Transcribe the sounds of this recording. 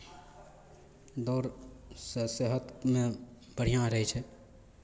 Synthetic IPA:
d̪ɔːɾsseɦət̪mẽ | bəɽ̤ijãɾəɦet͡ʃʰɛː

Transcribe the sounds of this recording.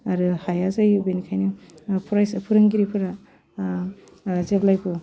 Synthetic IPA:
aɾɯhajazajbenikʰajnɯ | pʰɾajspʰɯɾɯŋɡiɾipʰɯɾa | zeblajpʰu

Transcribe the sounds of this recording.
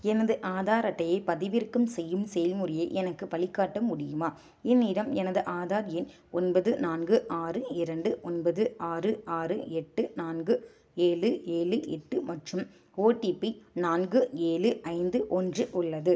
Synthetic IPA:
ɛnɐðɯʔaːðaːɾɐʈːɐjɐɪpɐðɪʋɪrkɯmsɛjːɯmsɛjɐlmʊrɪjɐʔɛnɐkːɯpɐɭɪkːaːʈːɐmːʊɽɪjɯmaː | ɪnːiːɾɐmɛnɐðɯʔaːðaːɾjɪn | ɔnbɐðɯnaːnɡɯʔaːrɯɪɾɐɳɖɯʔɔnbɐðɯaːrɯaːrɯɛʈːɯnaːnɡɯ | eːlɯeːlɯɛʈːɯmɐʈrɯm | oːʈːiːpinaːnɡɯeːlɯɐɪnd̪ɯʔɔndrɯʔʊɭːɐðɯ

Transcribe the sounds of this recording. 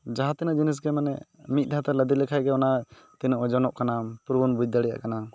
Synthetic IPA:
d͡ʒaɦat̪ɛnaʔd͡ʒinis̬ɡɛmanɛ̰ | mit̪̚ˀd̪aɦat̪ɛləd̪ilɛkʰajɡɛɔna | t̪inɔʔɔd͡ʒɔnɔʔkanapuɾbɔnbud͡ʒ̚d̪aɽija̰ʔkana

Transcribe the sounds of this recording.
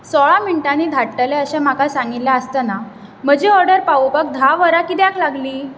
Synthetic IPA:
sɔɭamiɳʈañiːd̪ʱaʈːəleəɕɛ̃m̤akasãŋɡit̪ljaəst̪ana | m̤əd͡ʑeɔɾɖəɾpaubək̚d̪ʱaʋəɾakiːd̪jakʰlaɡliː

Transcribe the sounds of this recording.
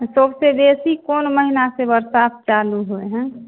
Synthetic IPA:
səbsebesikonməɦinasebəɾsat̚ʰt͡ʃaluɦoeɦɛ̃

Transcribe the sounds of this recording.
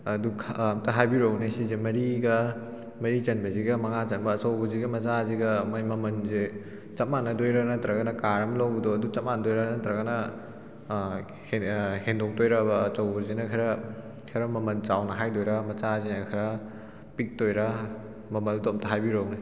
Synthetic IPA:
ɐduɐmtɐɦajbiɾownisizemɐɾiɡɐ | mɐɾit͡ʃɐnbɐziɡɐmɐŋat͡ʃɐnbɐːt͡ʃɐwbɐziɡɐmɐt͡ʃaziɡɐmamɐmɐnze | t͡ʃɐt̚manːɐdojɾanɐtɐɾɐɡɐnɐkaɾɐmlawɡdɔɐdut͡ʃɐt̚manɐdojɾanɐtɾɐɡɐnɐ | hendoŋtojɾɐbɐt͡ʃɐwbuzinɐkʰɐɾɐ | kʰɐɾɐmɐmɐnt͡ʃawnɐɦajdojɾɐmɐt͡ʃazinɐkʰɐɾɐ | pik̚tojɾɐ | mɐmɐlduɐmtɐɦajbiɾowni

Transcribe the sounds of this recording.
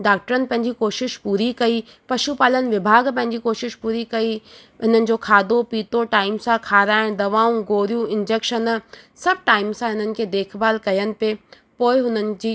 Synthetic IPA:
ɖaːk̚ʈəɾənɪ̆pɐ̃ɦɪ̃ɲ̆d͡ʑikoːʃɪʃpuːɾikɐipɐʃupaːlənɪ̆ʋɪbʱaːɡpɐ̃ɦɪ̃ɲd͡ʑikoːʃɪʃpuːɾikɐi | ɦɪn̤ənɪ̆d͡ʑoːkʰaːd̪opiːt̪oʈaːɪmsãkʰaːɾaːɪɽ̃d̪ɐʋaːũɡoːɾijũɪ̃nd͡ʑeːkʃənsɐb̚ʈaːɪmsãɦɪn̤ənɪ̆kʰeːd̪eːkʰbaːlkɐjənɪ̆pe | poːɪɦʊn̤ənɪ̆d͡ʑiː

